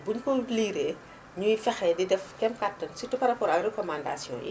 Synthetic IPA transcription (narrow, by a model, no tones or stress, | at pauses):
buɲkɔliːɾe | ɲujifɛxɛːdidɛfkɛmkatːɔnsitupɐɾapɔːɾɐkrɛkɔmanda̰sjɔ̰̃ːjḭ